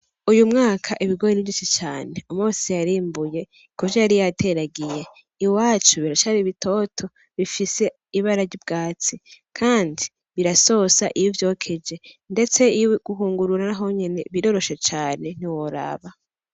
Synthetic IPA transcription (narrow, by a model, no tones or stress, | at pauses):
ujumŋaːkʰaʔiβiɡojeniit͡ʃit͡ʃaːne̞umuːsijaɾiːmbuje̞ | ikovʒejaɾijatʰe̞ɾaɡije̞ | iwaːt͡ʃuβiɾat͡ʃaβiβitʰo̞ːtʰo̞ | βifise̞ | iβaɾaɾɟib̚ɡaːt͡sikʰaːndi | βiɾaso̞saʔijivjo̞ːkʰe̞d͡ʒe̞nde̞t͡se̞ijuɡ̥uɦuːŋɡuɾuɾanaɦo̞ɲene̞βiɾo̞ɾo̞ʃe̞t͡ʃaːne̞n̥iwoɾa̰βa